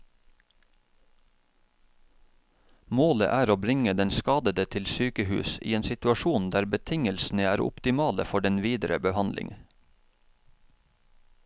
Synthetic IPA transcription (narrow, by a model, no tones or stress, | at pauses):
moːlə̰ʔæːɾoːbɾɪŋəd̪ɛnskɑːd̪əd̪ət̪ʰɪlsyːkəhʉ̰ːsḭːeːnsɪt̪ʉɑʃuːnd̪æːɾbət̪ʰɪŋəlsn̩əæːɾʊ̰pt̪ɪmɑːlə̰fɔɖɛnʋiːd̪ɾə̰bəhɑnlʔɪ̰ŋ